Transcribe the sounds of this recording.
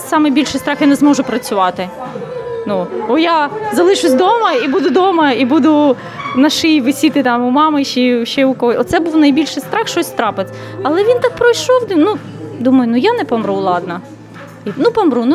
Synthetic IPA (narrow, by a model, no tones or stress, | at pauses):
sɑmɪjbʲilʲʃɪjst̪ɾɑxjanɛzmɔʒʊpɾɐt͡sʲʊʋɑt̪ɪ | nuɔjazɐlˠɪʃʊsʲd̪ɔmɐibud̪ʊd̪ɔmɐibud̪ʊ | nɐʃɪjʋɪsʲit̪ɪt̪ɑmʊmɑmɪʃiʃɛʊkɔɦɔɔt̪sɛbuwnɐjbʲilʲʃɪjst̪ɾɑxʃt͡ʃɔsʲst̪ɾɑpɪt͡sʲ | ɐlˠɛʋʲint̪ɑk̚pɾɔjʃɔwd̪nud̪umɐjʊnujanɛpɔmɾulˠɑd̪̚nɐ | inupɔmɾunu